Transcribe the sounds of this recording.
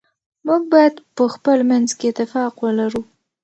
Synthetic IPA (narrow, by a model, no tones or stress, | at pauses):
muɡ̚bɑjad̪pəxpəlmanzkeɪt̪ːɪfɑqwəlaɾu